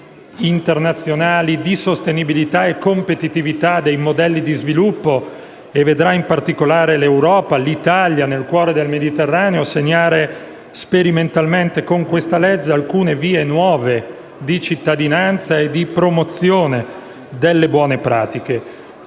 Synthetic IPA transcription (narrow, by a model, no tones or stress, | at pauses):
int̪ernat̪sːjonaːlid̪isost̪enibilit̪aekːompet̪it̪ivit̪ad̪ejmod̪ɛlːid̪izvilupːo | evːed̪ɾaimpart̪ikolaːɾelewɾɔːpalit̪aljanelkwɔːɾed̪elmed̪it̪erːaːneoseɲːaːɾe | speɾiment̪alment̪ekoŋkwest̪alɛd͡ʒːealkuːneviːenwɔːve | d̪it͡ʃit̪ːad̪inant̪saed̪ipɾomot̪sːjoːne | d̪elːebwɔːnepɾa̰ːt̪ike